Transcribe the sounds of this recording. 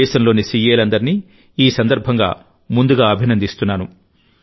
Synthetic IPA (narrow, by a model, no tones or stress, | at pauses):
ɛːʃɐmlo̞ːnisijeːlɐnd̪ɐɾini | iːsɐnd̪ɐɾbʱɐŋɡa̰ː | mund̪uɡaːɐbʱinɐnd̪ist̪unːaːnu